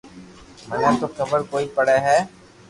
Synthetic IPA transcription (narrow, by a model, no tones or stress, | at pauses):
mənet̪oxəbəɾkoːiːpəɽeːɦɛː